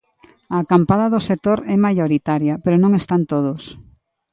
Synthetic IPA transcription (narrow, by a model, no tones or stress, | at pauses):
akampaðɐðosek̚t̪oɾɛmajoɾit̪aɾjɐpeɾonõŋest̪ant̪oð̞ʊs